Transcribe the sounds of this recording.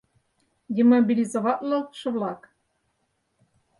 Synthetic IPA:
d̪ʲemobʲilʲizovɑt̪lˠɤ̆ʃɤ̆βlˠɑk

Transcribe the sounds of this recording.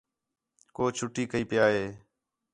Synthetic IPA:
koːt͡ʃʰʊʈiːkəiːpɪjaːɦeː

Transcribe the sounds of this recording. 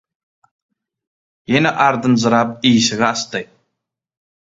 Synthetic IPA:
jenaʔaɾd̪ənzəɾap̚isəɣast̪aj

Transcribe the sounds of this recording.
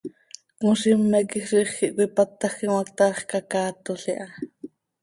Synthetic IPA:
kuʃimːɛkixriχxiʔkʷipɑt̪ːɑxiwɑk̚t̪ɑχkɑkɑːt̪oɬiʔɑ

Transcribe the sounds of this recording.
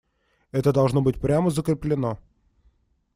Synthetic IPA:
ɛt̪əd̪ɐlˠʐnobɨt̚ʲpɾʲaməzəkɾʲɪplʲɪno

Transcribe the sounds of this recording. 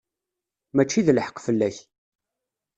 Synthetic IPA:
mæt͡ʃːiðəlħə̥qːfəlːæç

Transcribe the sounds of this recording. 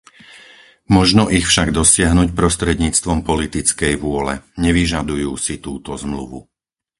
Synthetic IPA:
mɔʒnɔʔixfʃaɡd̪ɔsɪaɦnucpɾɔst̪ɾɛd̪ɲiːt͡st̪ʋɔmpɔlit̪it͡skɛjʋʊɔlɛ̰ɲɛʋiʒad̪ujuːsit̪uːt̪ɔzmlṵʋṵ

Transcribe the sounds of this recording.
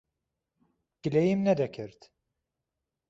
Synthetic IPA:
ɟ̥ilʲejimnɛd̪ɛcʰiɾt̪

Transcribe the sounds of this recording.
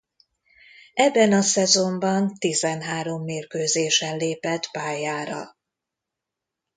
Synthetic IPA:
ʔɛbːɛnɒsɛzo̞mbɒnt̪izɛnɦaːɾo̞mːeːrkøːzeːʃɛnleːpɛt̪paːjaːɾɒ̰

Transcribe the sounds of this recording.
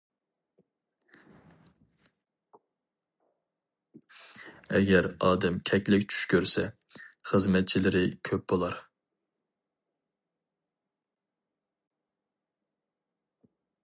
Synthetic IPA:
ɛ̰ɡʲɛɾɑːd̪ɛmkʲʰɛkʲlɪkʲt͡ʃʰy̥ʃkʲʰøɾsɛ | χəzmɛt̪̚t͡ʃʰilɪɾɪkʲʰøp̚b̥olˠɑɾ

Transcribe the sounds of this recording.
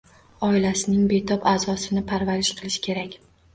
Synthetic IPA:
ɒɪlasɪnɪŋbe̞t̪ʰɒpaːzɒsɪnɪpʰaɾvaɾɪʃqʰɨlˠɪʃɪ̥kʲʰe̞ɾakʲ

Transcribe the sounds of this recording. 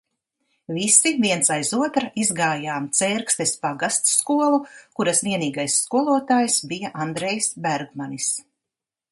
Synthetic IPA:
visiviɛnsajzuɔt̪ɾaizɡaːjaːmt̪sɛːɾkst̪espaɡast̪skuɔlˠukuɾasviɛniːɡajsːkuɔlˠuɔt̪aːjsbijaʔand̪ɾɛjsbæɾɡmanis

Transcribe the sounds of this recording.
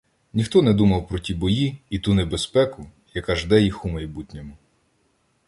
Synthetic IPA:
nʲixt̪ɔnɛd̪umɐwpɾɔtʲibɔjiit̪unebespɛkʊ | jɐkɐʒd̪ɛjixumɐjbutʲnʲɔmʊ

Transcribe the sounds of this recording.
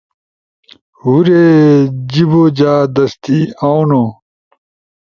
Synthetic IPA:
ɦuɾed͡ʑiboːd͡ʑaːd̪ɐst̪iːawno

